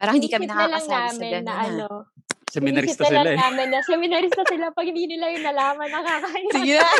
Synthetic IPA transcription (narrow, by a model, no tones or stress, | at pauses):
paːɾɐŋhɪnd̪iːkɐmkɛnɐtkaɐːlɐŋnaːaːmɐɪɡɐnːɐʔɐnosɛmɪɐɾɪt̪ɐslɐlŋnaːmɪnːɐsɛmɪnɐɾɪst̪ɐsɪlapɐɡ̚hɪnd̪iːnɪlajʊŋnɐlaːmɐnɐkɐkɐjsiɡɪnɐ